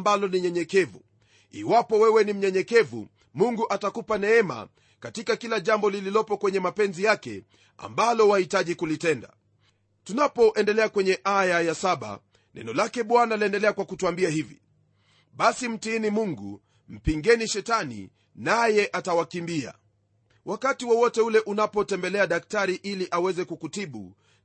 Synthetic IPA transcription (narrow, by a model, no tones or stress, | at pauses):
mbalɔniɲɛɲɛkɛvu | ḭwapɔwɛwɛnim̩ɲɛɲɛkɛvṵ | muŋɡuʔatakupanɛɛma̰ | katikakilaʄambɔlililɔpɔkwɛɲɛmapɛnzijakɛ̰ | a̰mbalɔwahitaʄikulitɛnda̰ | tunapɔʔɛndɛlɛakwɛɲɛʔajajasaɓa̰ | nʔɛ̰nɔlakɛɓwanaliɛndɛlɛakwakutuambiahivḭ | ɓasim̩tiinimuŋɡu | m̩piŋɡɛniʃɛtanḭ | najɛʔatawakimbia̰ | wʔakatiwɔwɔtɛulɛʔunapɔtɛmbɛlɛaɗak̚taɾiʔiliʔawɛzɛkukutiɓṵ